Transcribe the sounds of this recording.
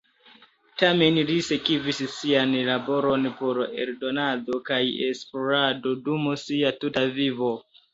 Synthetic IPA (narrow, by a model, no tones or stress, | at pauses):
tame̞nlise̞kivissianlabo̞ɾo̞npo̞ɾḛɾdo̞nado̞kajḛsploɾado̞dumosiatutavivo̞